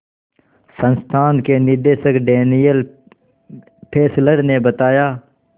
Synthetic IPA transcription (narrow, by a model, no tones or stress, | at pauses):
sənst̪ʰaːnkenɪɾd̪eːʃəkɖeːnijəl | pʰeːsləɾnebət̪aːjaː